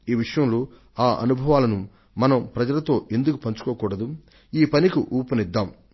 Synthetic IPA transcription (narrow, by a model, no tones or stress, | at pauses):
iːʋiʂɐjɐmloː | aːʔɐ̰nubʱɐʋaːlɐnu | mɐnɐmpɾɐd͡ʒɐlɐt̪o̞ːʔe̞nd̪ukupɐɲt͡ʃu̥koːkuːɽɐd̪u | iːpɐnikiʔuːpɐnid̪ːaːm